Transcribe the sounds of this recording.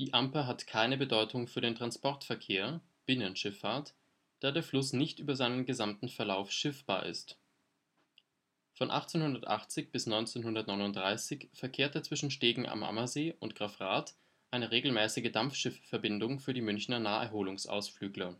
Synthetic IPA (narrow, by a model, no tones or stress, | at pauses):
d̥iːʔampəɦatkʰaɪnəbədɔʏtʰʊŋfyːɐɾeːntʁ̥anspɔɐtfɛɐkʰeːɐ | b̥ɪnənʃɪfaːɐt | d̥aːdeːɐflʊsnɪçtʔyːbɐzaɪnənɡəzamtn̩fɛɐlaʊfʃɪfb̥aːɐʔɪ̰st | fɔnʔa̰χt͡seːnhʊndɐtʔa̰χt͡sɪçb̥ɪsnɔʏnt͡seːnhʊndɐtnɔʏnʊntd̥ʁaɪsɪçfɛɐkʰeːɐt̚aɐt͡sv̥ɪʃn̩ʃteːɡŋ̩ʔa̰mʔa̰mɐzeːʔʊ̰ntɡ̥ʁ̥afʁaːt | ʔaɪnəʁeːɡl̩mɛːsɪɡədamfʃɪffɛɐbɪndʊŋfyːɐɾiːmʏnçnɐnaːɛ̰ɐɦoːlʊŋsʔa̰ʊsflyːɡlɐ